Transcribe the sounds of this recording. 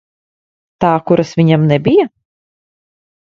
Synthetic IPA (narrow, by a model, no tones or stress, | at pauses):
t̪aːkuɾasvʲiɲamnɛbʲija